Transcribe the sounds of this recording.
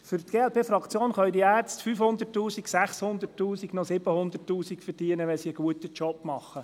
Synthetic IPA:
fʏɾt̪ɡ̥eːɛlpʰeːfɾɑkt͡sjoːnχœʏdiæːɾt͡stfyːfhʊnd̪ərtːuːsiɡsæχshʊnd̪əɾtːuːsiɡnɔsɪbəhʊnd̪ətːuːsikfəɾd̥iənəʋɛnsiəɡ̥uət̪ət͡ʃɔpmɑχːə

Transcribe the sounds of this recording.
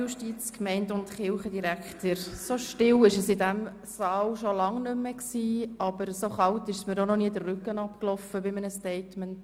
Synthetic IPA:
juʃtit͡skmɛɪndʊntχɪlχədiɾækχtəɾsoʃtɪlɪʃəsɪdæm | sɑːlʃolɑŋnʏmːəksiːɑb̥əɾsoχɑltɪʃsməɾonɔniːd̪ərrʏkənɑpklɔfəbɪmənəstɛɪtmənt

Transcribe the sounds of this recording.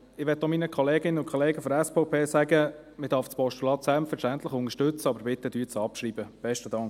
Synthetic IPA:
ɪʋɛt̪ːɔminəkʰχɔleːɡɪnəʊnkχɔleːɡəfɔɾɛspɔʊpʰeːsæɡə | mɪdɑɾfspɔʃtulɑːt̪sɛlpfəɾʃtænt̪ləχʊnəʃtɵt͡səɑbəɾbɪt̪ːəd̥yːt͡sɑpʃɾiːbəb̥ɛʃtədɑŋk

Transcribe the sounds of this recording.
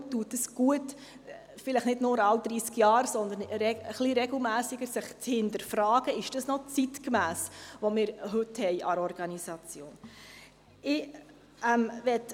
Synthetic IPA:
tuːtdəsɡ̥uət | fɪləχnɪdnʊːɾɑwd̪̥ɾiːskjɑːɾsɔnd̪ənɾɛəχliɾɛɡl̩ˠmæːsɪɡəɾsɪχt͡shɪntəɾfɾɑːɡ̥əɪʃd̥ɑsnɔt͡sitkmæːsʋɔmɪːɾɦɵthɛɪʔɑɾɔɾɡ̥ɑnisɑt͡sjoːn | ɪ | ɛmʋɛt

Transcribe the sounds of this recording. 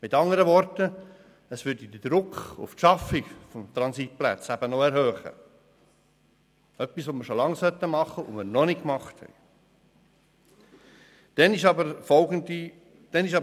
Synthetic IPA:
mɪtɑŋəɾəvɔɾtə | əsʋʏɾd̥id̪əd̥̪ɾʊkχʊ̰ftʃɑfɪɡfɔmt̪ɾɑnsit̪̚plæ̰t͡sæb̥ənɔɛɾhøːχə̰ | œpisʋoməʃolɑŋsœt̪ːəmɑχəʔʊmɪɾnɔnɪkmɑχthɛ̰ɪ | d̥ɛnɪʃɑbəɾfɔlɡəndi | d̪̥ɛnɪʃɑ

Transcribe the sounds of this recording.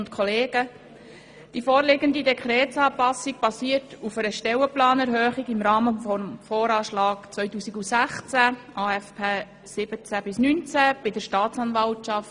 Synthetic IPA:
ntkʰɔleːɡə | d̥ifoːɾlɪɡənd̪idɛkʰɾɛːtsɑːpɑsik̚b̥ɑsiːəɾtufəɾəʃtɛwəplɑːnɛɾɦøːχiɡɪmɾɑːməfɔmfoːɾɑːʃlɑːkt͡sʋœʏtuːsiɡusæχt͡sæʔɑːɛfpʰeː | sɪbət͡sæbɪsnynt͡sæb̥ɪdəɾʃtɑːtt͡sɑnvɑltʃɑft

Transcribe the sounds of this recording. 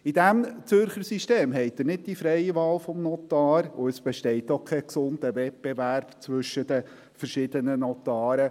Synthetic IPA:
idæmt͡sʏɾχəɾsiʃteːmɦɛɪt̚ːənɪd̚d̥ifɾɛɪiʋɑːlfɔmnɔt̪ɑːɾʊəsb̥ɛʃtɛɪtɔkʰɛksʊndəvɛt̚b̥evæɾb̥t͡sʋʏʃːəd̥ə | fəɾʃɪdənənɔt̪ɑːɾə

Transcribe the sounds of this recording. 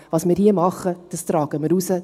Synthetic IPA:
ʋɑːsmɪːɾhiəmɑχːəd̥ɑst̪ɾɑːɡ̥əmɪɾusə

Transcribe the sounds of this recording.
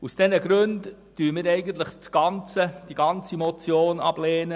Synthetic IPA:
usd̥ɛnəɡɾøndː | yːəmɪːɾɛɪɡənt̪̬ləχt͡sɡ̥ɑnt͡səd̥iɡ̥ɑnt͡simɔt͡sjoːnɑ̰bleːnə

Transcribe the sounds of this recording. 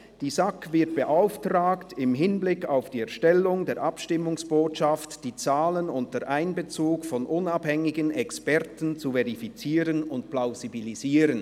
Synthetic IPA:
d̥iːzakvɪɐt̚b̥eʔaʊftraːktɪmɦɪnblɪkːaʊfd̥iːɛɐʃtɛlːʊŋdeːɐɾʔapʃtɪmʊŋsb̥oːtʃaftd̥iːt͡saːlənʊntəʔaɪnbət͡suːkfɔnʔʊnaphɛŋɪɡənɛkspɛʁtn̩t͡suvɛʁifit͡siːʁənʊntplaʊzibiliziːɾən

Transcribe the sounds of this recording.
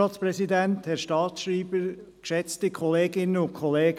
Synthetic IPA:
ɑːtspɾɛsidænthɛɾʃtɑːtʃɾiːb̥əɾkʃɛt͡stikʰɔleːɡɪnənʊnkʰχɔleːɡ

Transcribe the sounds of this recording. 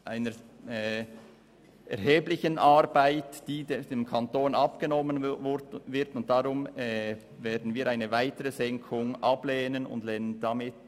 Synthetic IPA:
ʔaɪnə | ʔɛ̰ɾɦeːblɪçənʔɑɾbaɪtd̥iːdedeːmkʰɑntoːnɑpɡ̥ənɔməndvɪɾtʊnt̚d̥aʁʊmɛ | veːɐdn̩viːʔaɪnəvaɪtəɾəzɛŋkʰʊŋʔɑbleːnənʊ̰ndleːnəndamɪt

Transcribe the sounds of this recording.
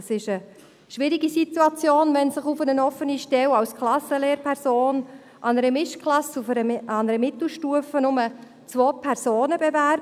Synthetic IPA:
sɪʃə | ʃʋɪɾɪɡisit̪uɑt͡sjoːnvɛnsɪχufənənɔfəniʃtɛlɑwsklɑsəleːɾpʰɛɾsoːn | ʔɑnəɾəmɪʃklɑsufəɾəɑnəɾəmɪt̪l̩ʃtuəfənʊmə | t͡svoːpʰɛɾzoːnəbevæɾ

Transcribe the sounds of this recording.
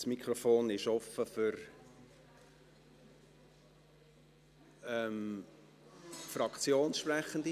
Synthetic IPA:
smikʰrofoːnɪʃɔfəfʏɾ | ɛm | frɑkt͡sjoːnsʃprɛχənd̪i

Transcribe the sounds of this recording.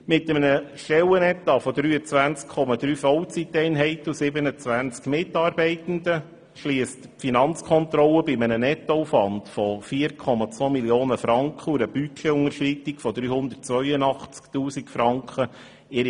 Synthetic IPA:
mɪtəmənəʃɛwənɛt̪ɑfɔd̪ɾyːət͡sʋænt͡skkʰɔmɑd̪ɾyːfɔwt͡sitɛɪnɦɛɪt̪əusɪbənət͡sʋænt͡skmɪtːɑːɾbɛɪtən̩də | ʃliːəstpfinɑnt͡skʰɔnt̪ɾɔlːəbɪmənənɛt̪ːoufʋɑndfɔfiːəɾkʰɔmɑt͡sʋoːmiljoːnəfɾɑŋkχəuɾəb̥ykʰɛʊŋəɾʃritɪkfɔd̪ɾyːhʊnd̪ətt͡sʋœʏənɑχt͡sktuːsikfɾɑŋkχə | ɪɾ

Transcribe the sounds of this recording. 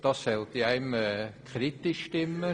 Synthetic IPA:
d̥̪ɑssɛlt̪iæɪməkʰɾit̪ɪʃtɪmə

